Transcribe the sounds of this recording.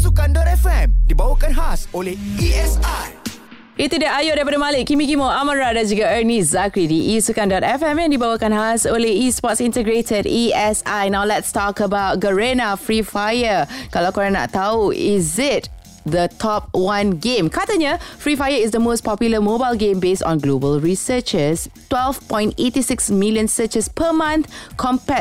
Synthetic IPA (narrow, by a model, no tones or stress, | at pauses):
sukãndɔtɛfɛ̃mdibawəkãnɦasoleiɛsaj | it̪udiajodɛpadəmaliʔkːimikimoaməɹadad͡ʒuɡaənizakɹidiʔisukãndɔtɛfɛ̃mɛ̃ndibawəkãnɦasonleispɔtsĩntəɡɹetədiɛsajnawlɛtstɔkəbaʊt̚ɡəɹenafɹifajəkalakɔɹana̰t̪auʔɪzɪt | d̪ətʰɔp̚wãnɡẽmkʰatəɲəfɹifajəɪsdəmospɔpjuləmobaɪlɡẽmbestɔ̰̃nɡlobəlɹisət͡ʃəstwɛlvpɔ̃j̃ntetisɪksmiljə̃nsət͡ʃəspʰəmãnt̪kʰɔ̃mpɛ